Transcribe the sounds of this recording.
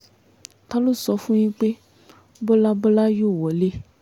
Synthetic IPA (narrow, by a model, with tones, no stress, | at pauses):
ta˦lo˦sɔ˨˦fũ˦ɲĩ˦k͡pe˦ | bɔ˦la˦bɔ˦la˦jo˦˨wɔ˨˦le˦